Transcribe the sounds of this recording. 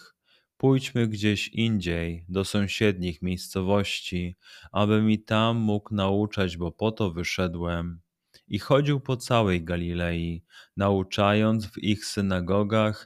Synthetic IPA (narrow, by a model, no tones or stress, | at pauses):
pujt͡ɕmɘɡd͡ʑeɕiɲd͡ʑejd̪ɔsɔ̃w̃ɕɛd̪ɲixmʲjejst̪sɔvɔɕt͡ɕiʔabɘmit̪amːuknaut͡ʂad͡ʑbɔpɔt̪ɔvɘʂɛd̪wɛm | ixɔd͡ʑiwpɔt̪sawɛjɡalʲilɛjinaut͡ʂajɔndt̪zvixsɘnaɡɔɡax